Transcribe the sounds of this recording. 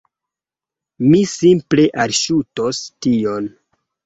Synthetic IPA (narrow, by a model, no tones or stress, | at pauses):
misimple̞ʔalʃuto̞stio̞n